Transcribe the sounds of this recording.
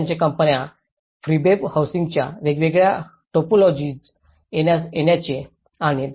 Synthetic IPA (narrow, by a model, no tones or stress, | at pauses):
ɲt͡ɕekəmpənja | fɾibebhawsiŋɡt͡ɕja̰ʋeɡʋeɡɭja | ʈopolɔd͡ʑid͡z | jenjaseɳjat͡ɕẽ | aɽ̃id̪